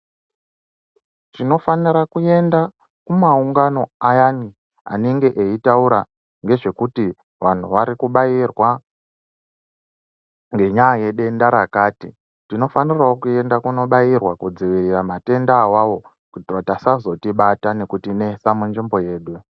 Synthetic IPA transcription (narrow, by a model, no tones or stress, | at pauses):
tino̞faniɾakue̞nda | kumauŋɡano̞ajani | a̰neŋɡe̞ʔeitauɾa | ŋɡe̞ʐe̞kuti | ʋan̤uʋaɾikuɓajirwa | ŋɡe̞ɲaːje̞ɗe̞ndaɾakaːti | tino̞faniraokue̞ndakuno̞ɓajirwakud͡ziʋiriramate̞ndaːwawo̞ | kutiratasazo̞tiɓatane̞kutine̞samund͡ʒimbo̞je̞ːɗu